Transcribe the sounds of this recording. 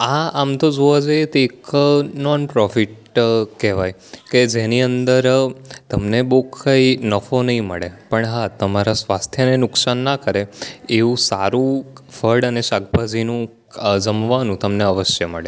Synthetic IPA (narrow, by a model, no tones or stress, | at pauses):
aamt̪od͡ʒoʋad͡ʒajet̪eːknɔnpɾɔfiʈ̚ | kɛʋaj | ked͡ʒeniənd̪əɾt̪əmnebokʰːainəfonəɦĩməɭepəɳɦat̪əmaɾasʋast̪ʰjənenʊksanːakəɾeeʋũsaɾũfəɾɖəneʃak̚bʱad͡ʒinũ | d͡ʒəmʋanũt̪əmneəʋəʃjəməɭe